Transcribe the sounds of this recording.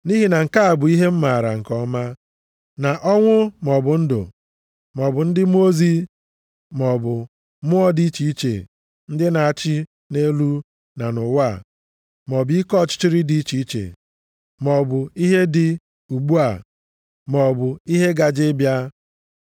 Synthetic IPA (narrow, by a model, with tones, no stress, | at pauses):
ni˦ɦi˦na˨ŋ̩˨ka˦a˨bʊ˨i˦ɦe˦m̩˦ma˨ɾa̰˨ŋ̩˨kɔ˦ma˦ | na˨ʔɔ˦ŋʷʊ˦m˨ɔ˨bʊ˨n̩˦dʊ̰˨ | m˨ɔ˨bʊ˨n̩˦dɪ˦m˦o˦zi˦ | mɔ˨bʊ˨ | mʊ˦ɔ˦di˦i˦t͡ʃi˨i˦t͡ʃḛ˨ | n̩˦dɪ˦na˨a˨t͡ʃɪ˦ | ne˦lu˦ | na˨nʊ˨wa˦˨ | mɔ˨bi˦kɔ˦˨t͡ʃɪ̥˦t͡ʃɪ˦ɾɪ˦di˦i˦t͡ʃi˨i˦t͡ʃḛ˨ | mɔ˨bʊ˨i˦ɦe˦dɪ˨ | u˨ɡ͡bu˦a˨ | mɔ˨bʊ˨i˦ɦe˦ɡa˨d͡ʒɪ˦bja˦